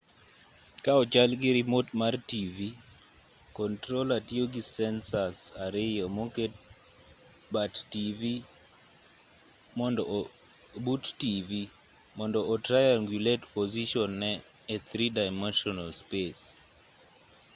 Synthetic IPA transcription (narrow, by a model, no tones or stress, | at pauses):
kaɔt͡ʃalɡɪɾimotmartivi | kɔntɾolatioɡisɛnsasaɾɪjɔmoket | battivi | mɔndɔ | buttivi | mɔndɔʔɔtɾajaŋɡjuletpoziʃɔnːɛː | t̪ʰɾidaɪmɛnʃɔnalspes